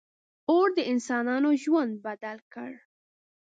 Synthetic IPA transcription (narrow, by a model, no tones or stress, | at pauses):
oɽd̪əɪnsɑnɑnoʒwand̪̚bad̪alkə̰ɽ